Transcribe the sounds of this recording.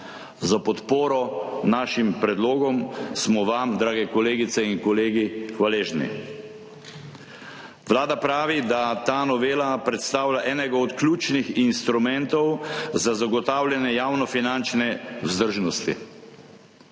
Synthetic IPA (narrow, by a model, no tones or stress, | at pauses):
zapɔt̪poːɾɔnaːʃimpɾɛd̪loːɡɔmsmɔʋamd̪ɾaːɡɛkɔleːɡit̪sɛinkɔleːɡixʋaleːʒnḭ | ʋlaːd̪apɾaːʋid̪at̪aːnɔʋeːlapɾɛt̪st̪aːwlaʔɛːnɛɡaɔt̪klʲuːt͡ʃnixinst̪ɾumɛnt̪ɔwzazaɡɔt̪aːwljɛnjɛjaːwnɔfinant͡ʃnɛuzd̪əɾʒnɔst̪ḭ